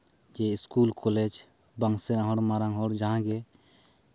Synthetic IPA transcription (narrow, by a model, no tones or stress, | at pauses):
d͡ʒeɪskuːlkʰoleːd͡ʒ | bəŋɡseɾãɦoɽmaɾãŋɡɦɔːɽd͡ʒaɦãɡe